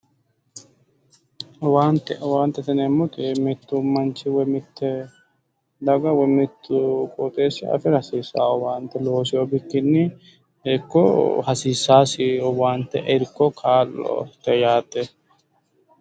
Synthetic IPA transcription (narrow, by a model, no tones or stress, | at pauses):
waːnt̪ːɛwaːnt̪ːɛt̪ɐnɛmːʊt̪ɪmɪt̪ːʊmɐnt͡ʃɪwɛmɪt̪ːɛ | d̪ɐɡɐwɛmɪt̪ːʊkʼɔt̪ʼeːsːɪʔɐ̰fɪɾɐsiːsaːwɔwaːnt̪ːɛlo̞ːsɪjɔbɪkːɪnːɪ | ɛkːɔ̰hɐsiːsːaːsɪjɔwaːnt̪ːɛʔɛɾkːɔkʰaːlɔ̰t̪ɛjaːt̪ːɛ